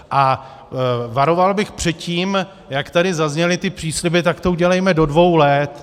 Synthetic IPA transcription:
ʔa | vaɾovalbɪxpr̥ɛt̪ciːm | jakt̪adɪzazɲɛlɪt̪ɪpr̝̥iːslɪbɪt̪akt̪o̞uɟɛlɛjmɛdo̞dvo̞wlɛt̪

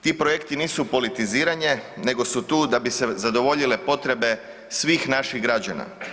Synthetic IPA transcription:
t̪iːpɾoje̞kt̪iniːsupo̞lit̪iziːɾaɲe̞ne̞ɡo̞sut̪uːd̪abise̞zad̪o̞ʋo̞ʎile̞po̞t̪ɾe̞be̞ | sʋiːxnaʃiɣɡɾad͡ʑana̰

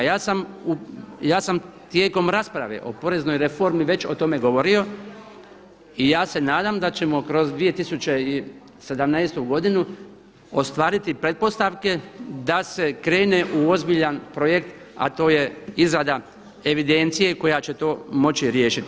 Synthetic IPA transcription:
jaːsamujaːsamt̪jeːko̞mɾaspɾaʋe̞̰ʔo̞̰po̞ɾe̞zno̞jɾe̞fo̞ɾmiʋe̞t͡ɕo̞t̪o̞me̞ɡo̞ʋo̞ɾio̞ | ijaːse̞naːd̪amd̪at͡ɕe̞mo̞kɾo̞zd̪ʋije̞t̪isut͡ɕe̞i | se̞d̪amnɛːst̪uɡo̞d̪inu | ost̪ʋaːɾit̪ipɾe̞t̪̚po̞st̪aʋke̞d̪ase̞kɾe̞ːne̞ʔuo̞zbiʎanpɾo̞je̞kt̪ | a̰t̪o̞ːje̞izɾad̪a | eʋid̪e̞nt̪sije̞ko̞jat͡ɕe̞t̪o̞ːmo̞t͡ɕiɾjeːʃit̪i

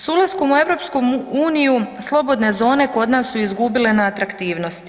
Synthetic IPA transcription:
sulˠaskomue̞ʋɾo̞pskomuːnijuslˠo̞bo̞d̪ne̞zo̞ːne̞ko̞d̪naːsːuizɡubile̞naːt̪ɾakt̪iːʋno̞st̪

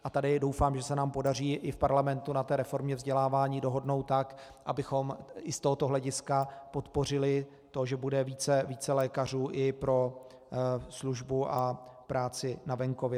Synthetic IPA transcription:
ʔat̪adɪdo̞wfaːmʒɛsɛnaːmpo̞dar̝iːʔɪfpaɾlamɛnt̪unat̪ɛːɾɛfo̞ɾmɲɛvzɟɛlaːvaːɲiːdo̞ɦo̞dno̞wt̪t̪ːak | ʔabɪxo̞mʔɪst̪oɦot̪oɦlɛɟɪskapo̞t̪po̞r̝ɪlɪ | t̪o̞ʒɛbudɛviːt͡sɛviːt͡sɛlɛːkar̝uːʔɪpɾo̞ | sluʒbuʔapɾaːt͡sɪnavɛŋkovjɛ

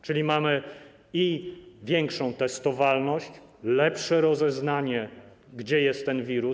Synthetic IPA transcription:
t͡ʂɘlʲimamɘ | ivʲjɛŋkʂɔ̃w̃t̪ɛst̪ɔvalnɔɕt͡ɕ | lɛpʂɛɾɔzɛznaɲɛ | ɡd͡ʑɛjɛst̪ːɛnvʲiɾu

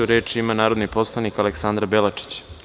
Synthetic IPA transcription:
uɾe̞ːt͡ʃiimanaːɾod̪nipo̞slˠanikaleksand̪ɾabelat͡ʂi̥t͡ɕ

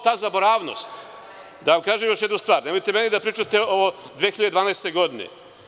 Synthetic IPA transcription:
t̪aːzabo̞ɾaːʋno̰st̪ | d̪aʋamkaːʒemjo̞ʃjed̪nust̪ʋaːɾnemojt̪emenid̪apɾiːt͡ʃat̪eoʋod̪ʋexiʎad̪ed̪aːnaːst̪e̞ɡo̞d̪inḛ

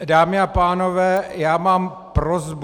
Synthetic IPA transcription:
daːmɪapaːnovɛːjaːmaːm | pɾozb

